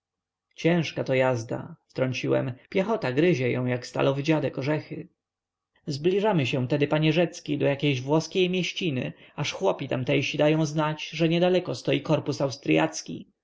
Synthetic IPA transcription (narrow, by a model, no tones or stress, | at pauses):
t͡ɕɛ̃ʂkat̪ɔjazd̪a̰ft̪ɾɔɲt͡ɕiwɛ̰mpʲjɛxɔt̪aɡɾɘʑɛjɔ̰̃w̃jakst̪a̰lɔvɘd͡ʑad̪ɛkɔʐɛxɘ | zblʲiʐamɘɕɛ̃t̪ɛd̪ɘpaɲɛʐɛt̪skʲid̪ɔjakʲejʑvwɔskʲejmʲjɛɕt͡ɕinɘ̰aʂxwɔpʲit̪amt̪ɛjɕid̪ajɔ̃w̃znat͡ɕʐɛɲɛd̪alɛkɔst̪ɔjikɔɾpusawst̪ɾɘja̰t̪skʲḭ